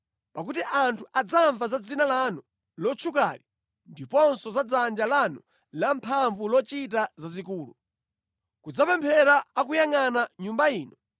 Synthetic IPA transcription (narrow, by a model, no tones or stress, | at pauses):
pakutiʔantʰuʔad͡zaɱvazad͡zinalanu | lɔt͡ʃʰuka̰li | ndipɔnsɔzad͡zand͡ʒalanu | lampʰaɱvulɔt͡ʃitazazikuːlṵ | kud͡zapɛmpʰɛɾaːkujaŋanaɲumbaiːnɔ